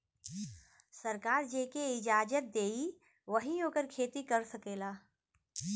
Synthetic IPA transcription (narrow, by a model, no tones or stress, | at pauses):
sɐɾkaːɾd͡ʒeːkeɪd͡ʒaːd͡ʒət̪̚d̪eːi | ʋəɦioːkəɾkʰeːt̪ikɐɾsɐkeːlaː